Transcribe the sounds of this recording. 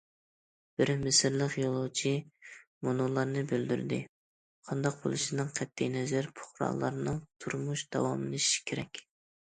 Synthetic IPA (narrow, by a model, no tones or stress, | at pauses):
b̥ɪɾmɪsɪɾlˠəqjolˠot͡ʃʰimonolˠɑɾnɨbøld̪yɾd̪ɪ̰ | qʰɑnd̪ɑq̚bo̰lˠɨʃinɨŋqʰɛt̪ʰːɪjnɛzæɾpʰʊ̥χɾɑ̰ːlˠɑ̰ɾnɨŋt̪ʰuɾmuʃd̪̥ɑ̰wɑmɨnɨʃi̥kʲʰeɾɛkʲ